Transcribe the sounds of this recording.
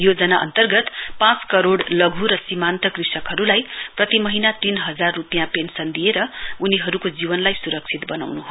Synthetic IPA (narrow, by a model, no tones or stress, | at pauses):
jod͡zʌnaʔʌ̰nt̪ʌrɡʌt̪pãt͡skʌɾoɽlʌɡʱuɾʌsimant̪ʌkrisʌkɦʌɾulajprʌt̪imʌɦinat̪inɦʌd͡zarːupjãpensʌnd̪ʱijeɾʌuniɦʌɾukod͡zibʌnlajsuɾʌk̚t͡sʰit̪bʌna̰wnuɦo